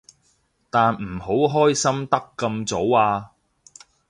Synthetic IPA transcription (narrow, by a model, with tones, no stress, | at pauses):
t̪aː˨nm̩˨˩ho˨˥wɦɔː˥jsɐ˥mt̪ɐ˥kːɐ˧mt͡so˨˥waː˧